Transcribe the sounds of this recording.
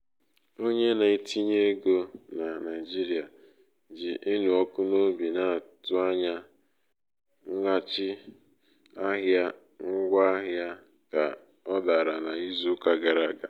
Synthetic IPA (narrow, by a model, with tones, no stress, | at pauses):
o˦ɲe˦na˨i˦tʰi˦ɲe˦ɡo˦na˨na˨ɪ˨d͡ʒi˦ɾi˦a˨ | d͡ʒɪ˨ʔɪ˦nu˨ɔ˦kʊ˦no˦bi˨na˦˨tʊ˦a˦ɲa˦ | ŋ̩˦ɡa˦t͡ʃɪ˦ | a˦ɦja˦ | ŋ̩˦ɡʷa˦a˦ɦja˦ | ka̰˨ | ɔ˦da˨ɾa˨na˨i˦zu˦ka˨ɡa˨ɾa˦˨ɡa˨